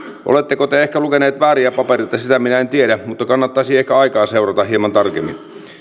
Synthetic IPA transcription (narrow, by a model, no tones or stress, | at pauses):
ʔo̰let̪ːekot̪eehkælukeneːt̪ʋæːɾiæpɑperit̪ɑsit̪æminæent̪ieɾæmut̪ːɑkɑnːɑt̪ːɑisiːehkæɑikɑːseurɑt̪ɑɦiemɑnt̪ɑrkḛmːḭn